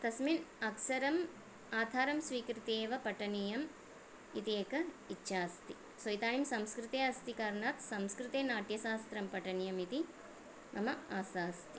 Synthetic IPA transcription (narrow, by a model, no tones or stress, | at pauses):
t̪ɐsminɐkʃɐɾɐm | aːd̪ʰʱaːɾɐmsʋiːkɾit̪eːʋɐpɐʈɐnijɐm | it̪ieːkɐitːʃaːst̪i | sɐjit̪aːnimsɐmskɾɪt̪eːɐst̪ikaːɾɳaːt̪sɐmskɾɪt̪eːnaːʈjɐʃaːst̪ɾɐmpɐʈɐnijɐmit̪i | mʔɐ̰mɐaːsaːst̪i